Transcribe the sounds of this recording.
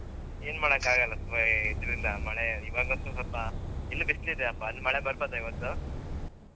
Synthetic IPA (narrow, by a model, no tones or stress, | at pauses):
eːnmaːɽɐkaːɡɐlːɐst̪ʋaid̪ɾilːamɐɭeiʋaɡɐsɐsɐpːailːubislid̪eɐpːanmɐɭebɐɾbat̪ɐiʋɐt̪ːu